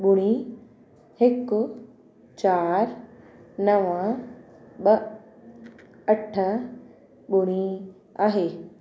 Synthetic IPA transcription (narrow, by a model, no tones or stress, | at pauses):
ɓʊɽ̃i | hɪkʊ | t͡ɕaːɾ | nɐʋə̃ | ɓɐ | ɐʈʰə | ɓʊɽ̃i | aːɦeː